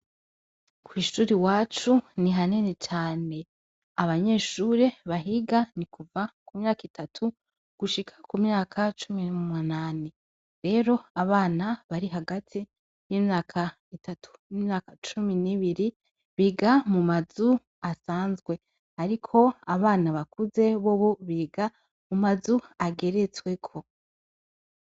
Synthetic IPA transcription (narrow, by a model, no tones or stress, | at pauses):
kʰwiːʃuːɾiwaːt͡ʃuniɦanene̞t͡ʃaːne̞ | aβaɲe̞ːʃuːɾe̞βaɦiɡanikʰuvakumɲaːkitʰatʰu | ɡ̥uʃikʰḁkumɲaːkʰat͡ʃuminumunaːni | ɾe̞ːɾo̞aβaːnaβaɾiɦaɡatʰi | jiːmɲaːkʰa | itatʰu̥nimɲaːkat͡ʃuminiβiɾi | βiːɡamumazu | asaːnzɡwe̞ | aɾikʰo̞aβaːnaβakuze̞βoβoβiːɡa | mumazuaɡe̞ɾet͡swe̞kʰo̞